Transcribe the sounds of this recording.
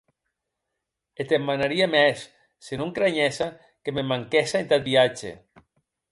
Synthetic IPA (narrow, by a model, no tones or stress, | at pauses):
et̪emːanaɾiamɛsː | enuŋkɾaɲɛsa | kememaŋkesaent̪at̪̚biad͡ʒḛ